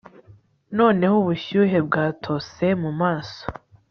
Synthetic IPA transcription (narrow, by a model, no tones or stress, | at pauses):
no̞ːne̞huβuʃuːɦe̞b̚ɡaːtʰo̞se̞mumaːso